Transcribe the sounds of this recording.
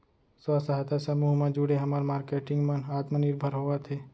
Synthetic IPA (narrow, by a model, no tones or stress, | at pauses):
səsaɦt̪asəmuːɦmãd͡ʒʊɽeɦɐmaɾmaːɾkeːʈɪ̃ŋɡmənaːt̪mənɪɾbʱəɾɦoːat̪ʰeː